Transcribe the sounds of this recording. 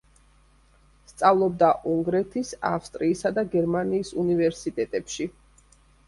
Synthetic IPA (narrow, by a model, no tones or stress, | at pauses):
st̪sʼavlˠɔb̚d̪aʔuŋɡɾɛt̪ʰisa̰fst̪ʼɾiːsad̪aɡɛɾmaniːsunivɛɾsit̪ʼɛt̪ʼɛpʃi